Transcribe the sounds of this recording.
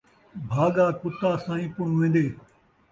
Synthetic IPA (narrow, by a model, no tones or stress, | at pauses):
bʱaːɠaːkʊt̪aːsãːĩːpʊɳ̃ʋẽːn̆d̪eː